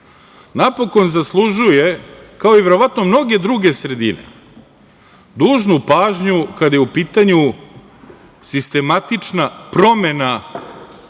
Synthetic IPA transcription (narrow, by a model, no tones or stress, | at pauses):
napo̞ko̞nzaslˠuʒuje̞kao̞iʋe̞ɾo̞ʋat̪no̞mno̞ɡe̞d̪ɾuɡe̞sɾe̞d̪ḭnḛ | d̪uːʒnupaːʒɲukad̪ajeupiːt̪aɲu | sist̪e̞mat̪it͡ʂnapɾo̞me̞na